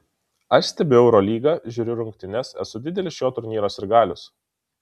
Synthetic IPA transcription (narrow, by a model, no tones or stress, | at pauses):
ɐʃsʲt̪ʲɛbʲʊɛʊɾoːlʲiːɡɑʒʲuːɾʲʊɾʊŋʲkt̪ʲɪnʲɛsɛ̰sʊd̪ʲɪd̪ʲɛlʲɪsjoːt̪ʊɾʲnʲiːɾoːsɪɾɡɑːlʲʊs